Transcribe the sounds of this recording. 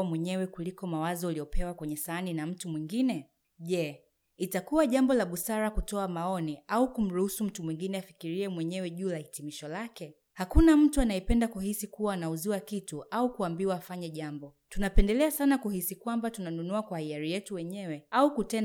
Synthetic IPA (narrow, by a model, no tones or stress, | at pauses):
mwɛɲɛwɛkulikɔmawazɔalijɔpʰɛwakwɛɲɛsaːninam̩tumwiŋɡinɛ | ʄɛ | itakuwaʄambɔlaɓusaɾakutɔamaɔniaukum̩ɾuhusum̩tumwiŋɡinɛafikiɾiɛmwɛɲɛwɛʄuːlahitimiʃɔlakɛ | hakunam̩tuanaɛpɛndakuhisikuwaːnauziwakituʔaukuambiwaːfaɲɛʄambɔ | tunapɛndɛlɛasanakuhisikwambatunanunuakwahiaɾijɛtuwɛɲɛwɛaukutɛn